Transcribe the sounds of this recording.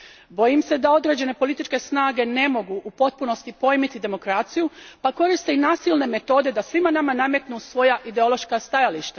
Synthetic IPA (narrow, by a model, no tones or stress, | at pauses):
bo̞jimse̞d̪ao̞d̪ɾe̞ːd͡ʑe̞ne̞po̞lit̪it͡ʃke̞snaːɡe̞ne̞mo̞ɡuʔupo̞t̪̚puno̞st̪ipo̞jmit̪id̪e̞mo̞kɾat̪sijupako̞ɾist̪einaːsilne̞me̞t̪o̞ːd̪e̞d̪asʋimanamanamje̞t̪nusʋo̞jaʔid̪e̞o̞lˠo̞ʃkast̪ajaliʃt̪a